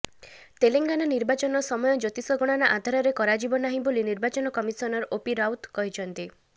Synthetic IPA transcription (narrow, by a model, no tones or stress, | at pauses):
t̪eleŋɡanɔniɾbat͡ʃɔnɔsɔmɔjɔd͡ʒot̪isɔɡɔɽ̃anaʔad̪ʱaɾɔɾekɔɾad͡ʒibɔnaɦĩboliniɾbat͡ʃɔnɔkɔmisɔnɔɾopiɾawt̪kɔɦit͡ʃʰɔnt̪i